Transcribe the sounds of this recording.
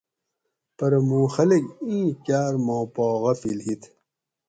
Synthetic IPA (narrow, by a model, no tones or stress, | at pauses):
pɐɾmũːxɐlekĩːkaːɾmoːpoːɣɐfilhit̪ʰ